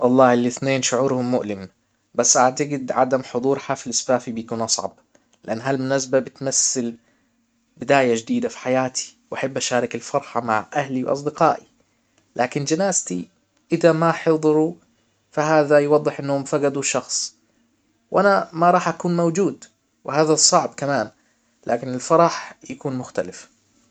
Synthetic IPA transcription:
wɑlˤːɑːhɪlːɪθneːnʃʊʕuːɾhʊmːʊʔlɪm | basːʔaʕt̪aɡɪd̪ʕad̪amħʊd̪ˤuːɾħafilɪsfaːfibɪjakuːnʔɑsˤʕɑ̰b̚ | lɪʔanːɦalmʊnas̬babɪt̪masːɪl | bɪd̪aːjad͡ʒd̪iːd̪afi̥ħajaːt̪ʰi̥wʔaħabːʔaʃaːɾˤɑkɪlfɑɾˤħɑma̰ʕʔahliwʔɑ̰s̬ˤd̪ɪqɑ̰ːʔi | lʔaːkɪnd͡ʒanaːzt̪i | ʔɪðamaħɨðˤɨɾu | fahaːðajwɑd̪ˤːɨħʔɪnːʊmfaɡad̪uʃɑxsˤ | wʔanamaɾˤɑːħʔakuːnmawd͡ʒuːd̪ | wɪhaːðasˤɑʕbkamaːn | lʔaːkɪnɪlfɑɾˤɑħjakuːnmʊxt̪alɪf

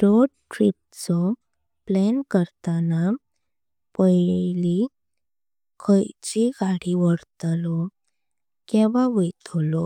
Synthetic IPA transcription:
ɖoɽʈɾip̚t͡sɔ | plɛnkəɾt̪ana | pəjli | kʰəjt͡ɕiɡaɽiʋəɽt̪lɔ | kɛ̃ʋaʋet̪ʰlɔ

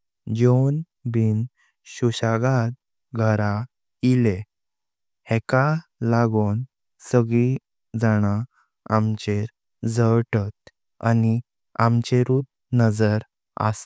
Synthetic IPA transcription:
d͡ʑon | bin | ɕuɕaɡat̪̚ | ɡʱəɾa | ile | hekalaɡon | səɡɭi | d͡zaɽ̃a | amt͡ɕeɾ | d͡zəwʈət̪̚ | a̰ni | amt͡ɕeɾuːt̚ | nəd͡zəɾ | a̰s

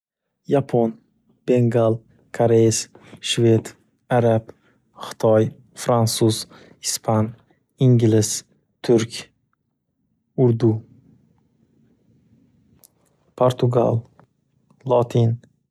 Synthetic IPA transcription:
japʰon | b̥eŋɡalˠ | kʰaɾesʃvet̪ | aɾab | χɪ̥t̪ʰɒj | fɾansuz̥ | ispʰan | iŋɡʲlɪz̥ | t̪ʰʊɾkʲ | ʊɾd̪u | pʰoɾt̪ʰʊɡa̰lˠ | lˠɒt̪ʰin

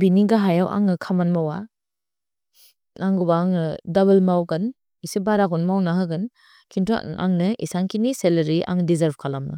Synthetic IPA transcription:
biniɡaɦajawʔa̰ŋɯkʰamanmawa | ʔaŋɡubaŋɯdaβelmawɡɯn | isibaɾakɔnmawnaɦɯɡɯn | kʰintʰua̰ŋnɯḭsaŋkʰiniselɐɾiʔa̰ŋdizaɾbkʰalamnɯ̰

